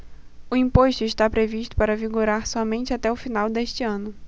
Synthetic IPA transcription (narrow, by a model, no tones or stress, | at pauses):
ʊĩpoʃt̪ʊɪʃt̪apɾeviʃt̪ʊ̥paɾɐviɡoɾaɾsɔmẽnt͡ʃɪat̪ɛʊfinawd̪eʃt͡ʃɪɐ̃nʊ